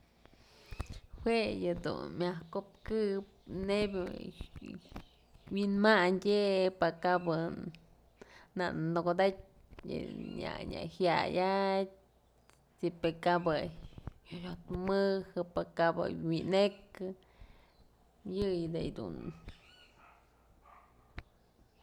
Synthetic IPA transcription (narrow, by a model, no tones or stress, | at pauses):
hwejɨd̪ṵnmʲahkop̚kɨp̚nebʲɨ | winmandʲepakabɨ | na̰ʔnoɡod̪atʲ | jɨ̰ɲa̰ɲʲa̰hja̰jat | sipekabɨ | jot̪mɨhɨpakabɨ̰winekɨ | jɨjd̪ejd̪ṵn